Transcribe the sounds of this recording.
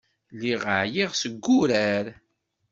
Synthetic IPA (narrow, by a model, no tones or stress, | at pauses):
lːiʁəʕjiʁsəɡːʊɾæɾ